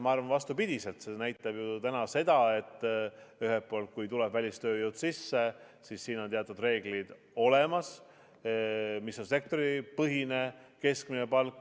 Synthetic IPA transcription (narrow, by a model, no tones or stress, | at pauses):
mɑɑrvɑnvɑst̪upid̪̥ise̞lt̪senæjt̪ːˑɑb̥jut̪ænɑse̞d̪̥ɑe̞t̪ːˑyɦelpːˑo̞ːlt̪̚kujt̪ulɛb̥vælʲist̪ø̞ːjowd̪̥sisːe | sisːiːnot̪eɑt̪ːˑud̪̥re̞ːɡlid̪̥ | o̞lemɑs | misːo̞nse̞k̚t̪o̞ɾipɤɦine̞ke̞skminepɑlkː